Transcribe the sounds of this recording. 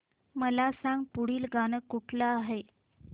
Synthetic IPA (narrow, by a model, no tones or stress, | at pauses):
məlasãŋɡpuɽiːlɡañəkːuʈʰlaːɦe